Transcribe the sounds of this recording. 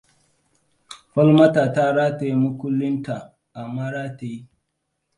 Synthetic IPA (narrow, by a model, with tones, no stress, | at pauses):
ɸɐ˦lmɐ˦taː˨ta˦ɾa˦ta˨i˦mʊ˦kʷʊ˦lːɪ˦nta˨ | ʔa˨maː˦ɾaː˦ta˨ji˦